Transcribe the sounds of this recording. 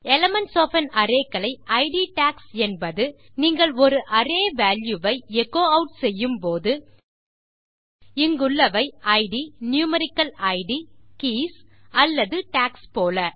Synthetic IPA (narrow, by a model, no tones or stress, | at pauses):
ɛlɐmɐnʈsoːfɐnɐɾeːkːɐɭɐɪʔɐɪɖiʈaːksɛnbɐðɯ | niːŋɡɐɭɔɾɯʔɐɾeːʋaːljuʋɐɪɛkːoːɐʊʈsɛjːɯmpoːðɯ | ɪŋɡɯɭːɐʋɐɪɐɪɽinjuːmɐɾɪkːɐlɐɪɽikiːsɐlːɐðɯʈaːkspoːlɐ